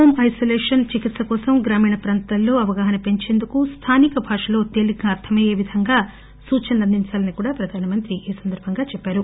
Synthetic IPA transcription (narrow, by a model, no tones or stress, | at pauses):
oːmɐjsoːleːʂɐnt͡ʃikit̪sɐkɔːsɐmɡɾaːmiːɳɐpɾaːnt̪ɐlːo̞ːɐʋɐɡaːɦɐnɐpe̞ɲt͡ʃeːnd̪ukust̪ʰaːnikɐbʱaːʂɐlo̞ːt̪e̞ːliɡaːɐɾt̪ʰɐmɐjeːʋid̪ʱɐŋɡaː | suːt͡ʃɐnɐɐnd̪iɲt͡ʃaːlɐnikuːɽaːpɾɐd̪ʱaːnɐmɐnt̪ɾiʔiːsɐnd̪ɐɾbʱɐŋɡaːt͡ʃɛpːaːɾu